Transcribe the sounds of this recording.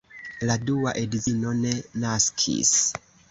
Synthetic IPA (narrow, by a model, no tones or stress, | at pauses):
ladua̰ʔediino̞ne̞naskʰḭs